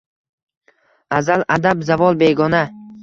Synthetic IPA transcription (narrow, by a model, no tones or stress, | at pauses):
azalad̪abzavɒlˠbe̞ɡɒna